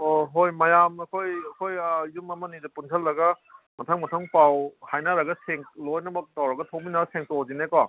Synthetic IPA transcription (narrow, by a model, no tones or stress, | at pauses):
oɦojmɐjamɐkʰojɐkʰojazumɐmɐnidɐpunsʰɐlːɐɡɐ | mɐtʰɐŋmɐtʰɐŋpawhajnaɾɐɡɐseŋlojnɐbɐtawɾɐɡɐtʰowminaɡɐseŋtozinekɔ